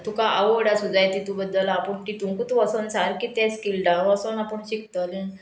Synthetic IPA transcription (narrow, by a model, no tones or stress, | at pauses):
t̪ũkaʔəʋəɽjasud͡zajt̪it̪ũbəd̪ːəlapəɳt̪it̪ũŋkut̪ʋəsənsaɾkit̪ɛ̃skilɖaʋəsənapəɳɕik̚t̪əlẽ